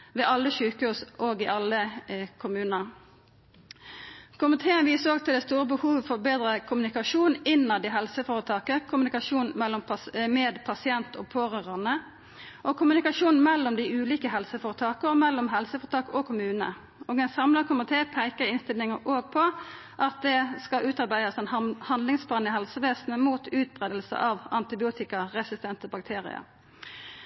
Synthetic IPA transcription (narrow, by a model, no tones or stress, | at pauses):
ʋɛʔɑlːəʃʉːkəhʉːsʔoːɡɪʔɑlːəkʰʊmʉːnəʁ | kʰʊmɪt̪ʰeːənʋiːsəoːɡ̚t̪ʰɪld̪ɛst̪uːɾəbəhuːʋəfɔʁbeːd̪ɾəkʰʊmnɪkɑʃuːnɪnːɑd̪ɛɦɛlsəfoːɾət̪ʰɑːkəkʰʊmnɪkɑʃuːnɛlːɔmmɛːd̪pʰɑsɪɛnt̪ʰɔ̰ːpʰoːʁøːʁɑnə | ʔɔkʰʊmʉnɪkɑʃuːnmɛlːɔmd̪ɪʉːliːkəɦɛlsəfoːʁɾət̪ʰɑːkəɔmɛlːɔmɦɛlsəfɔːʁt̪ɑːkɔkʰʊmʉːnə̰ | oːɡɛnsɑmlɑkʰʊmʊt̪ʰeːpʰæɪkəʁɪnst̪ɪlnɪŋəʔoːɡ̚pʰɔ | ʔɑt̪̚d̪ɛskɑʔʉːt̪ɑɾbæɪd̪əsɛnhɑnd̪lɪŋsbɑːnəhɛlsəʋeːsn̩əmuːt̪ʉːt̪̚bʁeːd̪əlsə̰ʔɑʋʔɑnt̪ɪbɪuːt̪ɪkəʁɛsɪst̪ʰɛnt̪əbɑkt̪ʰeːʁɪ̰ə̰ɾ